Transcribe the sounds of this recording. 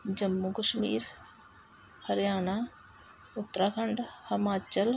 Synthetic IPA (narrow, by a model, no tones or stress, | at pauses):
d͡ʒɐmːukəʃmḭːɾ | hɐɾjaːna | ʊt̪ːɾaːkʰɐɳɖhɐmaːt͡ʃəl